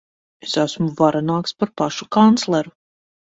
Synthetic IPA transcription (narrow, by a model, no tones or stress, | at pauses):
esæsmuvaɾanaːkspaɾpaʃukant̪slˠɛɾu